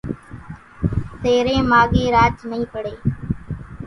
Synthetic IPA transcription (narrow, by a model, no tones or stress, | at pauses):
t̪eːɾẽːmaːɠeːɾaːd͡ʒnəɦĩːpəɽeː